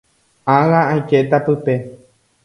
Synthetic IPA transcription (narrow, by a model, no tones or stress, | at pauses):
ãɣããjket̪apɨpe̞